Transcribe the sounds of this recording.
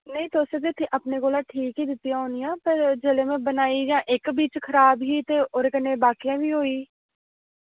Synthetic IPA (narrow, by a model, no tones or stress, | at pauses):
nəĩːt̪oːsək̚d̪eːt̪ʰːeːʔaːpneːkoːlãːʈʰiːkɦiːd̪ɪt̪ːɪjãːɦʊnɪjãːpəɾd͡ʒeːlẽːmẽːbənaːiːd͡ʒãːʔɪkbiːt͡ʃkʰəɾaːbɦiːt̪eːoːɾekənːeːbaːkijãːʋiːɦoːiː